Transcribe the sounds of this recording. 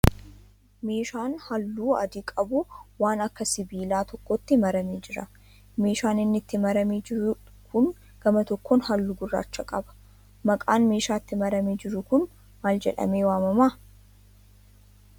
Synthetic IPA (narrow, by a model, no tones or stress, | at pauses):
me̞ːʃaːnhɐlːuːɐ̰d̪ikʼɐbʊwaːnɐkːɐsɪbiːlaːt̪ɔkːɔt̪ːɪmɐɾɐmeːd͡ʒɪɾɐ | me̞ːʃaːnɪnːɪt̪ːɪmɐɾɐmeːd͡ʒɪ | kʰʊn | ɡ̥ɐmɐt̪ɔkʰːɔnhɐlːʊɡʊrːa̰ːt͡ʃːɐkʼɐbɐ̥ | mɐkʼaːnme̞ːʃaːɪt̪ːɪmɐɾɐmeːd͡ʒɪɾʊkʊn | maːld͡ʒɛ̰ᶑɐ̰me̞ːwaːmɐmaː